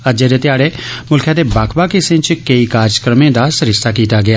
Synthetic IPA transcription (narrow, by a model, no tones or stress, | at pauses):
ɐd͡ʒeːd̪et̪ɪjaːɽemʊlkʰjãd̪ebaːkʰbaːkɪsɪ̃t͡ʃkeikaːɾd͡ʒəkɾəmẽːd̪asɾɪst̪akiːt̪aɡɪjaː